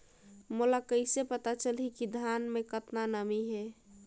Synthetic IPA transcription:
mulakəɪsepət̪at͡ʃəlikid̪ʱanmekət̪nanəmiɦe

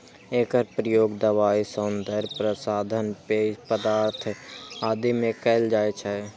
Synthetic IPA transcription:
eːkəɾpɾəjoːɡd̪əʋaːisənd̪əɾpɾəsaːd̪ʱənpepəd̪aːɾt̪ʰaːd̪imẽkəɪld͡ʒaːet͡ʃʰɛ

